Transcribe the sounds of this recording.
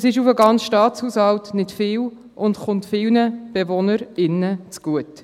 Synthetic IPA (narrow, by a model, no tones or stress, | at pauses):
ɛsɪʃufəɡɑnt͡sʃtɑːt͡shuːshɑltnɪtfɪːw | ʔʊndχʊntfɪlnəb̥evonəɾɪnːət͡sɡ̥uət